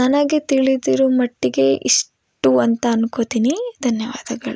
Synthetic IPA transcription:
nɐnɐɡet̪iɭid̪iːɾumɐʈːiɡeʔḭʂ | ʈuɐnt̪ɐːnkot̪iːnid̪ʱɐnjɐʋa̰ːd̪ɐɡɐɭu

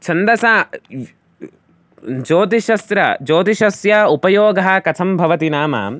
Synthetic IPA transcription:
t͡ʃʰɐnd̪ɐsaː | d͡ʒoːt̪iʃɐsɾɐd͡ʒoːt̪iʃɐsjɐupɐjoːɡɐɦɐkɐt̪ʰɐmbʱɐʋɐt̪inaːmɐ̰

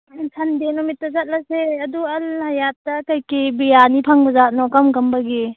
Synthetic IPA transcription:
tʰɐndenɔmitːɐsɐt̚lɐseɐduɐlhɐjatɐkɐjkibijanipʰaŋbɐzat̚nɔkɐmɡɐmbɐɡi

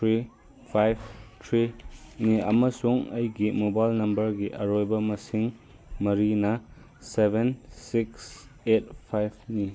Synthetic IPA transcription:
tʰɾi | pʰajb̚ʰtʰɾiniɐ̰mɐsuŋɐjɡimobajlnɐmbɐɾɡiʔɐɾojbɐmɐsiŋ | mɐɾinɐ | sebʱensikset̚pʰajbʰni

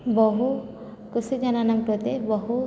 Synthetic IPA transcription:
bɔɦu | kusid͡ʒananamkɾɔt̪ebɔɦu

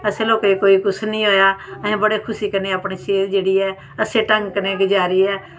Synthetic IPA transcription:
əsẽːloːkeikoːiːkʊsnĩːɦoːjaːəɦẽːbəɽeːkʰʊsiːkəɾneːaːpɳeːʃeːɾd͡ʒeːɽiːɛː | əsẽːʈə̃ŋɡkəneːked͡ʒaːɾiːɛː

